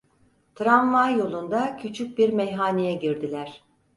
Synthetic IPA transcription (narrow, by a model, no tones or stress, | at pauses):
t̪ʰɾanvajjo̞lˠund̪acʰyt͡ʃʰyc̚biɾmɛjɦaːnijɛɟiɾd̪ilʲæɾ̥